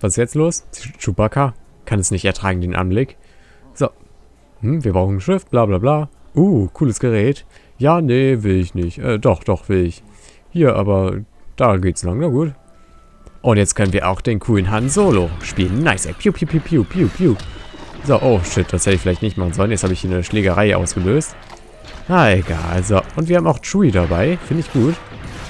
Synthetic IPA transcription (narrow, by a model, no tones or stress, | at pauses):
vasɪsjɛt͡stloːsʃupakʰakʰanɛsnɪçtɛɐtʁ̥aːɡŋ̩deːnʔa̰nblɪk | z̥o | hm̩viːɐbʁaʊxn̩ʃɪft̚b̥laːblaːblaːʔuːkʰuːləsɡ̥əʁɛːt | jaːnəvɪlɪçnɪçtʔɛ̰ːdɔχd̥ɔχv̥ɪlɪç | hiːɐʔa̰ːbɐd̥aːɡeːtslaŋnaːɡuːt | ʔʊntjɛt͡stkʰœnənviːɐʔa̰ʊxd̥eːnkʰuːlənɦanzoːloʃpiːlənːaɪsɛ̰pʰjuːpʰjuːpʰjuːpʰjuːpʰjuːpʰjuːzoʔoːʃɪt̚d̥ashɛtɪçfɪlaɪçtnɪçtmaχən̩zɔlənjɛt͡sthaːbəɪçhiːɐnəʃleːɡɐʁaɪəʔa̰ʊsɡ̥əløːst | naːeɡa̰ːlzoʔʊntviːɐhaːmaʊxtʁuːidabaɪfɪndəɪçɡ̥uːt